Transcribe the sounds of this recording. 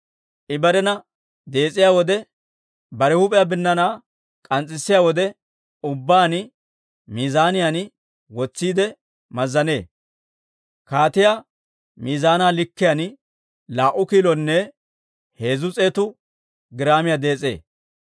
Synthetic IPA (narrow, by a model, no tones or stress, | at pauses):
ʔɪbɐɾɛnɐ | d̪e̞ːt͡sʼːɪjaːwɔd̪ɛ | bɐɾɛhʊpʼɛjabɪnːɐnaː | kʼɐnt͡sʼːɪsːɪjaːwɔd̪ɛ | ʊbːaːnɪ | miːzaːnɪjanɪ | wɔt͡sːiːd̪ɛ | mɐzːɐne̞̰ː | kaːt̪ɪja | miːzaːnaːlɪkːɪjan | laːʔʊkiːlɔnːɛ | he̞ːzʊt͡sʼe̞ːt̪ʊ | ɡɪɾaːmɪjad̪e̞ːt͡sʼe̞̰ː